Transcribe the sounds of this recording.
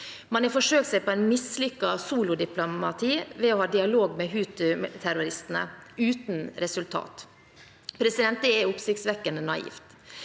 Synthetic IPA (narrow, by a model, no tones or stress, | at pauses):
mɑnɛfɔʂøːk̚t̪sæɪpʰɔæɪnmɪslʏkːɑsuːlʊd̪ɪplʊmɑt̪ʰiːʋɛɔhɑːd̪ɪɑloːɡmɛɦʉːt̪ʉt̪ʰæɾʊɾɪst̪ən̩ə̰ʉːt̪nɾɛsʉlt̪ʰɑ̰ːt̪ | pʰɾɛsɪd̪ɛnt̪̚d̪ɛɛʊpsɪktsʋɛkːənd̪ənɑḭːft̪